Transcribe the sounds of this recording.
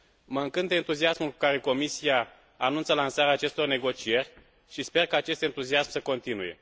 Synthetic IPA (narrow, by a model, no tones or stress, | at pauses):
məɨŋkɨnt̪d̪ent̪uziasmulku̥kaɾe̞ko̞misiaː | nunt̪səlansaɾeaːt͡ʃe̞st̪o̞rne̞ɡo̞t͡ʃije̞rʲ | ʃispe̞rkaːt͡ʃe̞st̪ent̪uziasmsəko̞nt̪inuje̞̰